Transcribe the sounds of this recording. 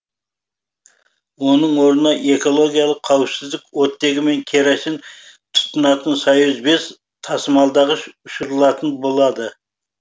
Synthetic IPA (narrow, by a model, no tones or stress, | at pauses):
wo̞nəɴwo̞ɾənɑʔe̞ko̞lˠo̞ɡʲijɑlˠəqʰːɑwɪpsɪzd̪ɪkwot̪ːe̞ɡʲɪme̞ŋkʲʰe̞ɾæʃɪnt̪ʰʊ̥t̪ːʊnɑt̪ənsɑjʊzbe̞s | t̪ʰɑsəmɑlˠd̪ɑʁəʃʊʃʊɾəlˠɑt̪ənbo̞lˠɑd̪ə